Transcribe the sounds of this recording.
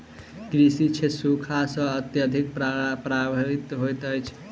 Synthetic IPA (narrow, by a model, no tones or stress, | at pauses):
kɾisit͡ʃʰesukʰasə̃ət̪jəd̪ʱik̚ppɾabəɾit̪ɦojt̪əjt͡ʃʰ